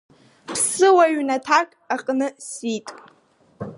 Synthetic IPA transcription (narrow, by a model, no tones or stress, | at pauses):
pʰsɨwaɥnatʰakʼaqʼnɨsitʼ